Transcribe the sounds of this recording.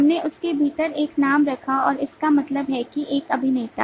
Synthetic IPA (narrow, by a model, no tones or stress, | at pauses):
ɦɐmneʔʊskebʱiːt̪əɾeːknaːmɾɐkʰaɔːɾɪskamɐt̪ləbɦɛkiʔeːkɐbʱinɐɦĩt̪a̰ː